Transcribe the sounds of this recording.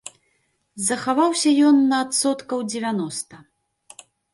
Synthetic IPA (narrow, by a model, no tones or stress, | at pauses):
zɐxavawsʲɐjɔnːɐːt̪sɔt̪kɐwd͡zʲɛvʲanɔst̪ɐ